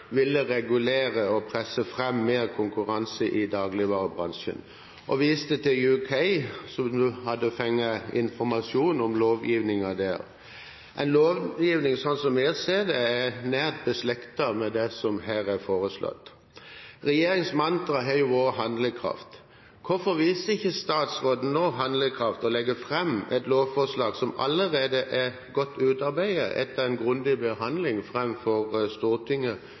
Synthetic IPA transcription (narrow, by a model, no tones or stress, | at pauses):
ʋɪlːəʁɛɡʉleːɾəɔpʰɾɛsːəfʁɛmːeːʁkʰʊŋkʉʁɑnsəʔɪd̪ɑːɡlɪʋɑːʁəbʁɑ̰nʃə̰n | ʔɔʋiːst̪ət̪ɪljʉkʰɛɪsɔmnʉːhɑd̪əfɛŋːəɪ̰nfɔɾmɑsuːnɔmloːʋjiːʋnɪŋɑd̪æ̰ːɾ | ʔɛɪnloːʋjiːʋnɪŋsɔnsɔmæseːd̪ɛænæːʁt̪̚bəslɛkt̪ɑmɛd̪ɛsɔmɦæːʁɛfoːʁəslɔ̰t̪ː | ʁɛjeːɾɪŋsmɑnt̪ɾɑɦɛjʊʋoːʁɦɑnd̪ləkʰʁɑ̰ft̪ | kʰʊfɔʁʋiːsəɪçːəst̪ɑːt̪sʁoːd̪n̩noɦɑnd̪ləkʰʁɑft̪ɔlɛɡəfʁɛmːɛɪt̪loːʋfɔʁslɑːɡsɔmɑ̰lːəʁeːd̪əʔɛ | ɡɔt̪ʰːʉːt̪ɑɾbæɪəʔɛ̰t̪ːəʁɛɪnɡʁʉnd̪ɪbəɦɑnd̪lɪŋfʁɛmfɔʁst̪uːʁt̪ʰɪŋːə